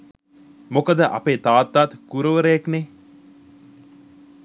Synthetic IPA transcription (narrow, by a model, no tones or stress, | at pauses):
mokəd̪əʔa̰peːt̪aːt̪ːaːt̪kuɾəʋəɾəjakne